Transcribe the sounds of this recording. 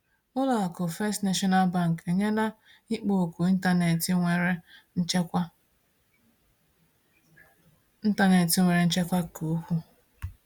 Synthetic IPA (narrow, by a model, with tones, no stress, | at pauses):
ʊ˦la˨a˨kʊ˨fe˦stna˦ʃɔ˦na˦lba˦˨ŋ̩˨ke˨ɲe˦na˦ | i˦k͡po˨ku˨i˦n̩˦ta˨ne˨ti˦e˨ɾe˦ | n̩˦ta˦ne˨ti˨˦ŋʷe˨ɾe˨˦n̩˦t͡ʃe˦kʷa˦kʰo˨˦kʷu˦